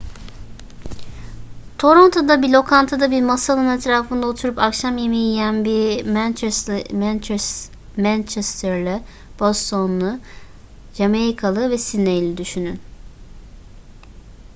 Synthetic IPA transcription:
t̪ʰo̞ɾo̞nt̪ʰo̞d̪abilʲo̞kʰant̪ʰad̪abiɾmasalnˠɯnɛt̪ʰɾaːfɯnd̪ao̞t̪ʰuɾupakʃamjemijijænbimnt͡ʃmæn | mænt͡ʃʰɛst̪ʰɛɾlʲɛ | b̥ost̪ʰo̞nlˠʊ | d͡ʒameɾikʰalˠɯvɛsinːejlʲɛd̪yʃynyn

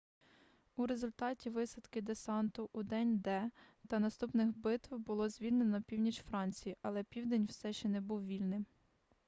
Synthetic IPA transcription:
uɾe̞zʊlʲt̪ɑtʲiʋɪsɐd̪kɪd̪esɑnt̪ʊʔːd̪ɛnʲd̪ɛt̪ɐnɐst̪upnɪxbɪt̪ʋbʊlˠɔzʲʋʲilʲnenɔnɐpʲiwnʲit͡ʃfɾɑnʲt͡sʲijiʔɐlˠɛpʲiwd̪enʲwsɛʃt͡ʃɛnɛbuwʋʲilʲnɪm

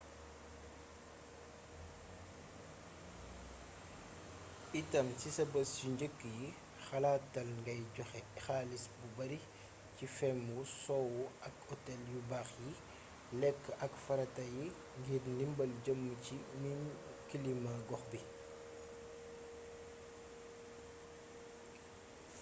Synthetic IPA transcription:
itɐmsisɐbɐsuɲɟəkːəji | xɐlaːtːɐlŋɡɐjɟɔxɛxaːlisbubɐɾi | cifɛmusɔwuɐkɔtɛljubaxji | lɛkːɐkfɐɾɐtɐji | ŋɡirnimbɐlɟəmːəcinim | kilimaɡɔxbi

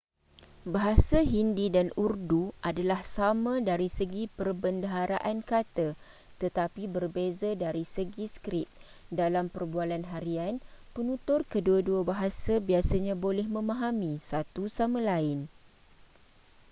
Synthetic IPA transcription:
baɦasaɦindidanurduʔadalahsamãdaɾisəɡipərbəndəɦaɾaʔankat̪a | t̪ət̪apibərbezadaɾisəɡiskɾɪp̚ | dalampərbualanɦaɾianpənũt̪ʊrkəduaduabaɦasabiasaɲãbolɛhmə̃mãɦamĩsat̪usamãlaɪn

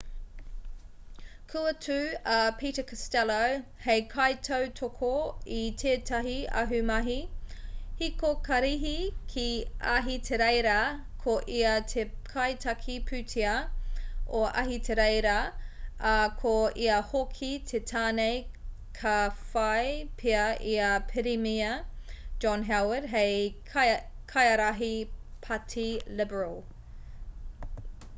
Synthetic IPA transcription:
kʰuɐtʰʉɐpʰiːtəkɐstɛlowhejkʰɐjtʰɐwtʰokʰoitʰeːtʰɐɦiɐ̰ɦʉmɐɦi | hikokɐɾiɦikʰiɐɦitʰeɾejɾɐ | kʰoʔiɐtʰekʰajtʰɐkʰipʰʉtʰiɐ | oʔɐɦitʰeɾejɾɐɐkʰoiɐhokʰitʰetʰaːnej | kʰɐfɐjpʰeɐʔiɐpʰɪɾimiɐd͡ʒɔnɦawədɦej | kʰajɐɾaɦipʰatʰilɪbəɹɐl

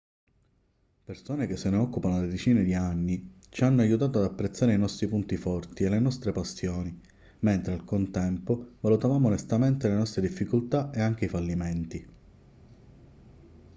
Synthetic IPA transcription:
persoːnekesːeneɔkːupanoled̪et͡ʃiːned̪ianːi | t͡ʃianːoajut̪aːt̪oad̪apːɾet̪sːaːɾeinɔst̪ɾipunt̪ifɔrt̪ielːenɔst̪ɾepasjoːni | ment̪ɾealkont̪ɛmpovalut̪avaːmonest̪ament̪elenɔst̪ɾed̪ifːikolt̪aeaŋk̟eifalːiment̪i

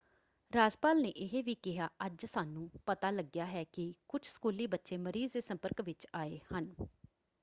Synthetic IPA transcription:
ɾaːd͡ʒpaːlneːʔɪɦeːʋiːkɪɦaːʔəd͡ʒsaːnũːpət̪aːləɡjaːɦɛːkɪkʊt͡ʃʰsə̥kuːliːbətːʃeːməɾiːzd̪eːsə̃mpəɾkʋɪt͡ʃaːeːhən

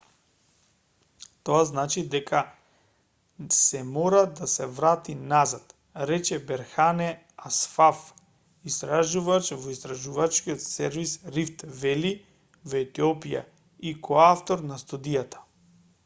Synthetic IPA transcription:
t̪oaznat͡ʃid̪ɛkʰa | sɛmɔɾad̪asɛvɾat̪inazat̪ | ɾɛt͡ʃɛbɛɾxanɛ | asfaf | ist̪ɾaʒuvat͡ʃvoist̪ɾaʒuvat͡ʃkiot̪sɛɾvisɾift̪vɛli | vɛt̪iɔpija̰ | ikoaft̪oɾnast̪ud̪ijat̪ʰḁ

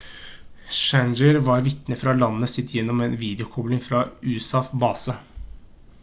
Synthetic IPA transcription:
ʃænd͡ʒəɾʋɑːɾʋɪt̪nəfɾɑlɑnːəsɪt̪ːjɛnːɔmeːnʋiːd̪ɪʊkʰɔblɪŋfɾɑːʉːsɑfbɑːsə

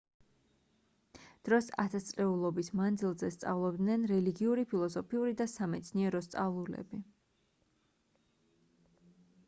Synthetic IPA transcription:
d̪̥ɾɔsa̰t̪ʰast̪sʼɾɛulˠɔbismand̪zilˠzɛst̪sʼa̰vlˠɔb̚d̪nɛnɾɛliɡiuɾipʰilˠɔsɔpʰiuɾid̪asamɛt̪sʰniɛɾɔst̪sʼavlˠulɛ̰bi

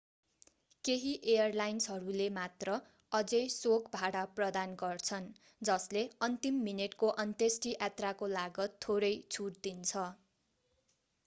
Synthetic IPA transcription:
keɦiʔejʌrlajnsɦʌɾulemat̪rʌ | ʌd͡zʌjsokbʱaɽaprʌd̪anɡʌrt͡sʰʌn | d͡zʌsleʌnt̪imːineʈkoʔʌnt̪esʈiʔat̪rakolaɡʌt̪ʰːoɾʌjt͡sʰuʈd̪int͡sʰʌ

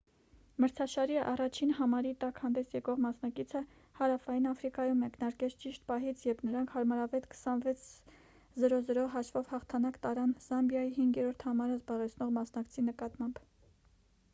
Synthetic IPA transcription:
məɾt͡sʰɑʃɑɾiɑ̰rɑt͡ʃʰinhɑmɑɾit̪ɑkhɑnd̪ɛsjɛkɔʁmɑsnɑkit͡sʰə | hɑɾɑfɑjinɑfɾikɑjumːɛknɑɾkɛt͡sʰt͡ʃiʃt̪pɑɦit͡sʰjɛpʰnəɾɑŋkʰhɑɾmɑɾɑvɛt̪kʰə̥sɑnvɛt͡sʰ | zəɾɔzəɾɔɦɑʃvɔvhɑχt̪ʰɑnɑkt̪ɑɾɑnz̥ɑmbjɑjiɦiŋɡjɛɾɔɾt̪ʰhɑmɑɾəzbɑʁɛt͡sʰnɔʁmɑsnɑkt͡sʰinəkɑt̪mɑmb

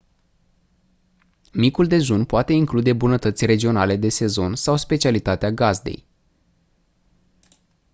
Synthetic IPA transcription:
mikuld̪e̞zunpoat̪e̞iŋklud̪e̞bunət̪ət̪sʲre̞d͡ʒio̞nale̞d̪e̞se̞zo̞nsawspe̞t͡ʃialit̪at̪eaɡazd̪ḛj

